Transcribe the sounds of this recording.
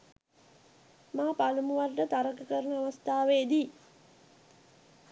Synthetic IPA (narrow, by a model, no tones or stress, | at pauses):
maːpalumuʋarʈət̪aɾəkəkəɾənəaʋəst̪aːʋeed̪iː